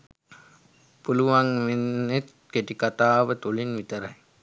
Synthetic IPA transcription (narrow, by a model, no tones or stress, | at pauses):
puluʋaŋʋenːet̪ | keʈikat̪aːʋət̪olinʋit̪əɾaj